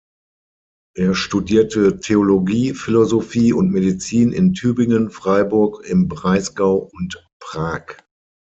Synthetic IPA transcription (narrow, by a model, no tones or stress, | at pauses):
ʔeːɐʃtudiːɐtʰətʰeoloɡiːfɪlozofiːʊntmedit͡siːnɪ̰ntʰyːbɪŋənfʁ̥aɪbʊɐkɪmbʁaɪsɡ̥aʊʊnt | pʁ̥aːk